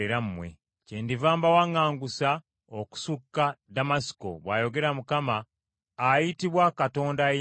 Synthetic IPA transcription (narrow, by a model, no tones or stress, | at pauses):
eɾammwe̞̰ | cendivaːmbawaŋːaːŋɡusa | oku̥sukːadamasi̥ko̰βwa̰ːjo̞ɡe̞ɾamukamaː | jitiβwakato̞ːndaje